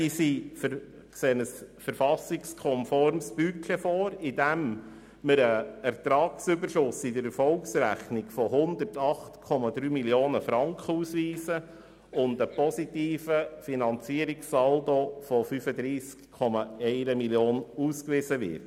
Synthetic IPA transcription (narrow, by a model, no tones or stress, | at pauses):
isif | kseːənəsfəɾfɑsɪkskʰɔmfɔɾmsb̥ykʰɛfɔːɾid̥æm | məɾəæɾt̪ɾɑːksʏbəɾʃʊsɪdəɾɛɾfɔlksɾæχnɪɡfɔhʊnd̪əɾtɑχtkʰɔmɑd̪ɾyːmiljoːnəfɾɑŋkʰχəuːsʋiːsə | ʊndəpɔsitiːfəfinɑnt͡siəɾiksɑldofɔfyfəd̪ɾiːskʰːɔmɑɛɪɾəmiljoːnuːskʋɪzəʋɪ̰ɾt